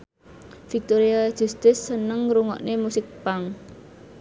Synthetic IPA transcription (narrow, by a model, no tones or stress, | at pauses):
fik̚t̪oɾiḁd͡ʒ̥ṳst̪ɪsːənəŋɾuŋɔ̰ʔnemusɪk̚paŋ